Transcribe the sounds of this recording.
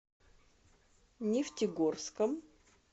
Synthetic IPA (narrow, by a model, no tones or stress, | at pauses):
nʲɪftʲɪɡorskəm